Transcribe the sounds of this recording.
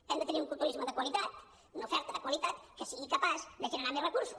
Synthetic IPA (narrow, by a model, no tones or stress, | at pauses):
ɛmd̪ət̪əniuŋkulˠt̪uɾizməðəkwəlit̪at̪̚ | unufɛɾt̪əðəkwəlit̪at̪kəsiɣikəpazd̪əʒənənamerəkuɾsu̥